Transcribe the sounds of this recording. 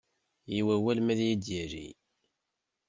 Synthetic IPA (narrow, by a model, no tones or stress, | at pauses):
jiwæwælmæðjid̪jæʒḭ